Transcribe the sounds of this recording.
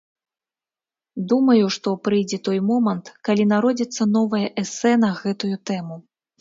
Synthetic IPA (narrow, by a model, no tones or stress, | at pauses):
d̪umɐjuʂt̪ɔpɾɨjd͡zʲɛt̪ɔjmɔmɐnt̪kalʲinaɾɔd͡zʲit̪sːɐnɔvɐjɐʔɛsɛnɐɣɛt̪ujut̪ɛmu